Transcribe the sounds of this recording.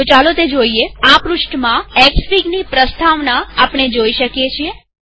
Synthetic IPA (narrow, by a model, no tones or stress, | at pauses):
t͡ʃalot̪ed͡ʒoieapɾuʂʈəmãɛkspiɡnipɾəst̪aʋnaːpɳ̃ed͡ʒoiʃəkjet͡ʃʰie